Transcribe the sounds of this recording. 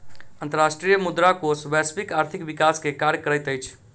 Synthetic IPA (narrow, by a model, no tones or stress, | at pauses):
ənt̪əɾasʈɾijəmud̪ɾakosbaspikaɾt̪ʰikbikaskekaɾjəkəɾəjt̪əjt͡ʃʰ